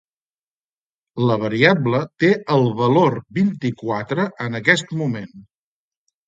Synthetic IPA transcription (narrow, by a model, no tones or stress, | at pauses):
ləβ̞əɾiablət̪eəlˠβəloɾbint̪ikwat̪ɾəʔənəkɛst̪mumen